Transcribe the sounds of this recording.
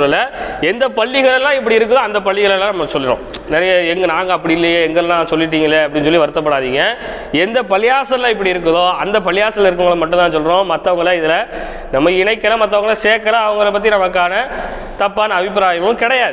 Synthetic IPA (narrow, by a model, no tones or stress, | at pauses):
ɐlɐɛnd̪ɐpɐɭːɪɣɐɭɛlːãːɪp̬ːɐɽiɪɾɯkːɐðõːɐnd̪ɐpɐɭːɪɣɐɭɛlãːnɐmːɐsɔlːɪɾõ̰ː | nɛɾɐjɐɛŋɡɐnãːŋɡɐːpːɐɽɪɪlːɐjɐɛŋɡɐɭlãːsɔlːɪʈ̬ːiːŋɡɐlːɐɐpːɐɽɪnɯsɔlːiʋɐɾɯt̪ːɐp̬ːɐɽaːðiːŋɡɐ | ɛnd̪ɐpɐlɪjaːsɐlãːɪpːɐɽiɪɾɯk̬ːɐðoːɐnd̪ɐpɐlɪjaːsɐlɪɾɯkːɯŋɡɐɭɐmɐʈːʊ̃nt̪aːs̬ɔlːɾõːmɐt̪ːɐʋɐŋɡɐɭãːɪðɪlɐ | nɐmːɐɪnɐɪkːɐlɐmɐt̪ːɐʋɐŋɡɐlãːseːkːɐlɐɐʋɐŋɡɐɭɐpɐt̪̬ːinɐmɐkːaːnɐ | t̪ɐpːaːnɐːbɪp̬ɾaːjɐmɐ̃mkɪɽɐjaːðɯ